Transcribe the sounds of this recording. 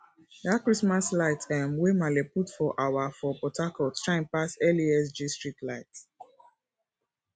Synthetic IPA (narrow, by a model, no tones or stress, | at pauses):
dakɹismaslaɪtʰɛmwemaleputfɔʔawafɔpɔtakɔltɹaĩnpasɛliɛs̬d͡ʒistɹitlaɪt